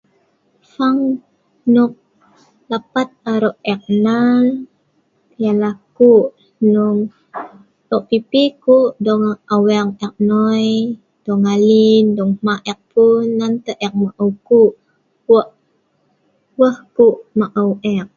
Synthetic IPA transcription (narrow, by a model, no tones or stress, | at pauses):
faŋ | nuk̚ | lapat̪̚aɾɔʔɛk̚nal | jalahkuʔ | nɔŋ | lɔʔpipikuʔdɔŋawɛŋɛk̚nɔj | d̥ɔŋalindɔŋmaʔɛk̚punːant̪əʔɛk̚maʔəwkuʔ | ɔʔ | wəhkuʔmaʔəwʔɛk̚